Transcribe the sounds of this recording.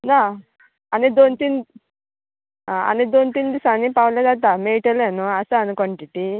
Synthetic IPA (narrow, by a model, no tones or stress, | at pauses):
na | anid̪ont̪in | aa̰nid̪ont̪ind̪isanipawled̪at̪ameʈelanuasaːnukɔɳʈiʈi